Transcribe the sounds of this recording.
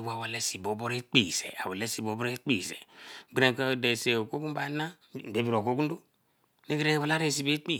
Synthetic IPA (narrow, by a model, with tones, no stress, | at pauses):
wa˨wa˨le˦si˨bo˨˦bo˦ɾe˦k͡pi˨sḛ˨a̰˨wa˨le˦si˨bo˨˦bo˦ɾe˦k͡pi˦˨sḛ˨ɡ͡bɾẽ˨ka˦˨de˨se˨o˨ko˦ku˦ba˨˦na˦˨ | be˨˦bi˨ɾo˨ko˦ku˦n˦o˦ | ne˦ɡe˦ɾe˦˨wa˨la˦ɾe˦˨si˨be˦k͡pi˦˨